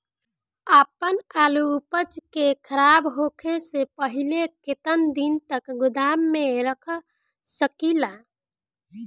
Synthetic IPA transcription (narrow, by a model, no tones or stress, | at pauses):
əpənalupət͡ʃkekʰəɾabɦokʰesepəɦileket̪ənd̪int̪əkɡʊd̪amːeɾəkʰ | səkila